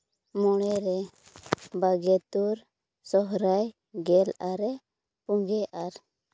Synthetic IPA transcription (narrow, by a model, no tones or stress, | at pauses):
mɔɽ̃ɛɾɛ | baɡɛt̪uɾ | sɔɦɾaj | ɡɛlaɾɛ | puŋɡɛʔaɾ